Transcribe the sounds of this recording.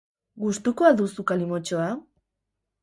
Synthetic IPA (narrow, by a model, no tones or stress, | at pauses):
ɡust̪ukoaðusukalimo̞t͡ʃoa